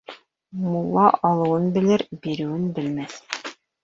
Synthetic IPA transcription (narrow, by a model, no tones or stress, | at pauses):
mulˠːɑʔɑlˠɤ̆wɤnbɘ̆lɘɾbiɾɘ̆wɘnbɘ̆lmæθ